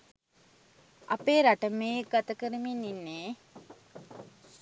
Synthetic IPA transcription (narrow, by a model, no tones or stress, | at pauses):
ʔɐpeːɾaʈəmeːɡat̪əkəɾəminːinːeː